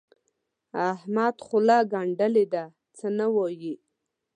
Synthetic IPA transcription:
ahmad̪χʊlɑɡaɳɖəled̪a | t͡sənawaji

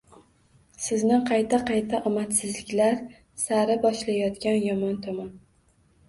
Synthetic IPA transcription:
sɪznɪqʰɑjt̪ʰaqʰɑjt̪ʰaʔɒmat̪sɪzlɪkʲlaɾ | saɾɪbɒʃlajɒt̪kʲanjɒmɒnt̪ʰɒman

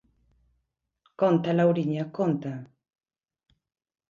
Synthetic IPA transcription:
kont̪alawɾiɲakont̪a

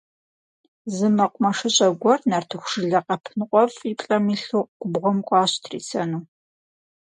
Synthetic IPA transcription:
zɨmɐqʷʊmɐʂɨɕʼɐɡʷɔrnartʰɨxʷʂɨɮɐqɐpʰɨnqʷʼɔfipʼɬʼɐmiːɬuːɡʷʊbʁʷɔmkʷʼɑːɕtʰrḭːt͡sʰɐnuː

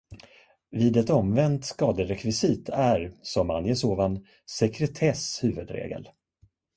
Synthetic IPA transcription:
viːd̪ɛt̪ɔmvɛnt̪skɑːd̪əɾɛkʰvɪsiːt̪ʰæɾsɔma̰njəsoːvan | sɛkɾɛt̪ʰɛshʉ̟ːvɵd̪ɾḛːɡə̰l

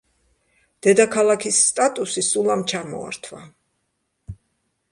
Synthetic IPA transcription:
d̪̥ɛd̪akʰalˠakʰisːt̪ʼat̪ʼusisulˠamt͡ʃʰamɔ̰a̰ɾt̪ʰwa̰

